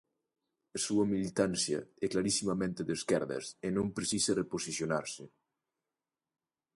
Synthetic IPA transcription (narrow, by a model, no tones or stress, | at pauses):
ɐsuɐmilit̪ansjɐ̰ɛklaɾisimamẽnt̪eðeskɛɾðɐ̰senõmpɾesisereposisjonaɾse